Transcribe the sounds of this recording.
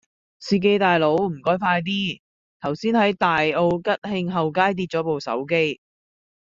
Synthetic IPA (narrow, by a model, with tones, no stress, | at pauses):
siː˧k̬e˧jt̪aː˨jlo˨˥wm̩˨˩kɔː˥jfaː˧jt̪̬iː˥ | t̪ʰɐ˨˩wsiː˥nhɐ˨˥jt̪aː˨jo˧wkɐ˥t̚hɪ˧ŋɦɐ˨wkaː˥jt̪̬iː˧t̚t͡ʃɔː˨˥po˨wsɐ̰˨˥wke˥j